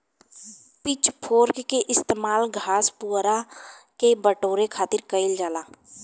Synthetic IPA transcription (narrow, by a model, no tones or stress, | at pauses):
pɪt͡ʃpʰoːɾkkeʔɪst̪eːmaːlɡʱaːspuɾakebəʈoːɾekʰaːt̪ɪɾkəɪld͡ʒaːlaː